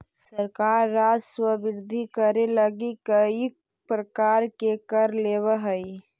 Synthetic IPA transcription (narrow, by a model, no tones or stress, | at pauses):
səɾkaːɾːaːd͡ʒswəbɪɾd̪ʱikəɾeləɡikəi | pɾəkaːɾkekəɾleːwəɦəi